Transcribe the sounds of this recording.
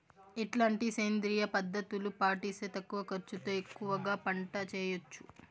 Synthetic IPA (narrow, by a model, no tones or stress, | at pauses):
iʈlaːɳʈiseːnd̪ɾiːjɐpɐd̪ːɐt̪ulupaːʈiːseːt̪ɐkːuʋɐkɐɾt͡ʃut̪oːekːuʋɐɡaːpɐɳʈɐt͡ʃɛːjot͡ʃːu̥